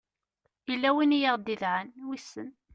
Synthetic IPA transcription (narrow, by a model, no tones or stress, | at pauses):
ilːæwinjəʁd̪iðʕənwisːə̰n